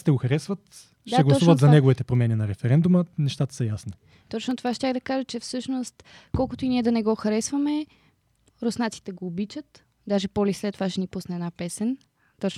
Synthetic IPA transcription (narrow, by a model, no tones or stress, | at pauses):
st̪ɛɡoxɐɾɛsvət̪ | ʃtaɛɡlˠɐsuvɐt̪zɐnɛɡovit̪ɛpɾomɛninɐɾɛfɛɾɛnd̪umənɛʃt̪at̪ə̥sɐjasni | t̪ɔt͡ʃnot̪ovaʃt̪ʲaɣd̪ɐkaʒət͡ʃɛfsɤʃnost̪kɔlˠkʊt̪oiniɛd̪ɐnɛɡɔxɐɾɛsvɐmɛ | ɾosnat̪si̥t̪ɛɡoːbit͡ʃət̪ | d̪aʒɛpɔlislɛt̪ːovaʃɛnipusnɛːdnapɛsɛn | t̪ɔt͡ʃ